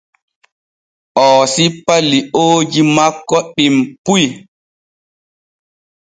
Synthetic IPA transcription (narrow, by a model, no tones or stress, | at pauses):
ʔɔːsipːalioːd͡ʒimakːɔɗimpuj